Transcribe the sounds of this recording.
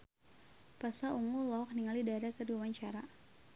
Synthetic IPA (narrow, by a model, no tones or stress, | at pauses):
pasaʔuŋulɔk̚niŋalidaɾakəduwawaɲt͡ʃaɾa